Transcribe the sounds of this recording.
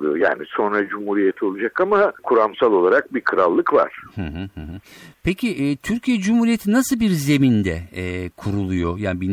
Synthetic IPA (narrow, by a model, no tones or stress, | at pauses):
lˠujo̰ja̰ːniso̞nɾad͡ʒumhuɾijet̪ʰio̞lˠud͡ʒakamakʰuɾamsalˠo̞lˠaɾak̚bikʰɯɾalˠːɯkva̰ɾ̥hɯ̃ɦɯ̃hɯ̃ɦɯpʰecʰiʔɛt̪ʰyɾcʰijɛd͡ʒumhuːɾijet̪ʰinasɯlˠbiɾze̞mind̪ɛkʰuɾulˠujojaːnibin